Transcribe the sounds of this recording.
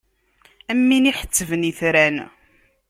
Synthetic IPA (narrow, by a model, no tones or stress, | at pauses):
æmːiniħə̥t͡sːəvəniθɾæn